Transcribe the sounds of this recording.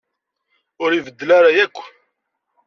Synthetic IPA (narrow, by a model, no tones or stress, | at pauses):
ʊɾivəd̪ːəlaɾajækʷː